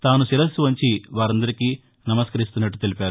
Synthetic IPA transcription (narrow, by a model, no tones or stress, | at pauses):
t̪aːnuʃiɾɐsuʋɐɲt͡ʃiʋaːɾɐnd̪ɐɾikiː | nɐmɐskɐɾist̪unːɐʈːut̪e̞lipaːɾu